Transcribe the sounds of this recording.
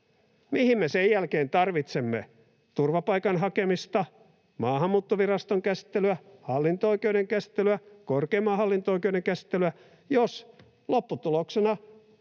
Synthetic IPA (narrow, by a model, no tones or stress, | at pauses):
mihimmesejjælkeːnt̪ɑrʋit̪semːḛ | t̪urʋɑpɑikɑnɦɑkemist̪ɑ | mɑːhɑmːuːt̪ːoʋirɑst̪oŋkæsi̥t̪ːelyæhɑlːint̪ooikeuɾeŋkæsi̥t̪ːelyækorkeːmɑhɑlːint̪ooikeuɾeŋkæsi̥t̪ːelyæ | jos | lopːut̪uloksenɑ